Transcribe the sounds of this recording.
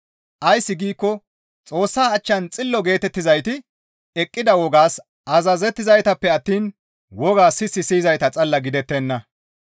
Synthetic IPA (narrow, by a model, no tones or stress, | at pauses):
ʔɐjsːɪɡiːkːɔ | t͡sʼo̞ːsːaːɐt͡ʃːɐnt͡sʼɪlːɔɡe̞ːt̪ɛt̪ːɪzɐjt̪ɪ | ɛkʼːɪd̪ɐwɔɡaːs | ʔɐzɐzɛt̪ːɪzɐjt̪ɐpːɛɐt̪ːiːn | wɔɡaːsːɪsːɪsiːzɐjt̪ɐt͡sʼɐlːɐɡɪd̪ɛt̪ːɛnːɐ